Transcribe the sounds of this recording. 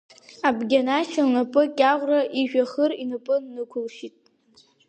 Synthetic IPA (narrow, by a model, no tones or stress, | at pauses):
abɡʲanaʃanapʼɨkʲʼaʁʷraʔiʒᶣaχərinɨpʼɨnːɨkʷʰʊlʃitʼ